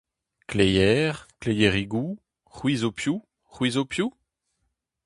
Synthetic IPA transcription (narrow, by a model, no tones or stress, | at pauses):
klejɛːʁklejeʁiɡu | ʁwizopʰju | ʁwizopʰju